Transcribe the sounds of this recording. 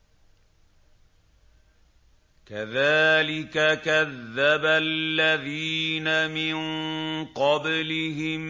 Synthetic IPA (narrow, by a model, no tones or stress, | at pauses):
kaðaːlɪkakaðːaballːaðiːnamɪnqɑblɪɦɪm